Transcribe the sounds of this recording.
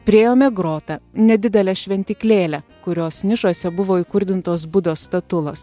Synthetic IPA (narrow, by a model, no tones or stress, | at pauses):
pʲɾʲeːjoːmʲɛɡɾoːt̪ɐnʲɛd̪ʲɪd̪ʲɛlʲɛʃʲʋʲɛnʲt̪ʲɪklʲeːlʲɛkʊɾʲoːsnʲɪʃoːsʲɛbʊʋoːiːkʊɾʲd̪ʲɪnt̪oːs̬bʊd̪oːst̪ɐt̪ʊlˠɐs